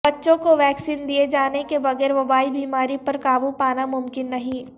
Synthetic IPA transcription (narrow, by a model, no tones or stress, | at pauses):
bɐtːʃõkoʋɛːksiːnd̪ied͡ʒaːnekebɐɣɛːɾʋɐbaːibiːmaːɾipɐɾkaːbupaːnamʊmkɪnːɐɦĩː